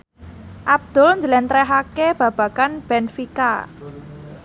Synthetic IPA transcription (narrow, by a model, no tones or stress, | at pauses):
ʔab̚d̪̥ʊ̤lɲd͡ʒəlɛnt̪ɾɛɦakeb̥ä̤b̥ä̤kanb̥ɛnfika̰